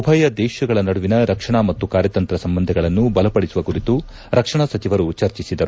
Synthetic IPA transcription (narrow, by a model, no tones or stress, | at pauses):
ubʱɐjɐd̪ɛːʃɐɡɐɭɐnɐɽuʋinɐɾɐkʂɐɳɐmɐt̪ːukaːɾjɐt̪ɐnt̪ɾɐsɐmbɐnd̪ʱɐɡɐɭɐnːubɐlɐpɐɽisuʋɐkuɾit̪u | ɾɐkʂɐɳɐsɐt͡ʃiʋɐɾut͡ʃɐɾt͡ʃisid̪ɐɾu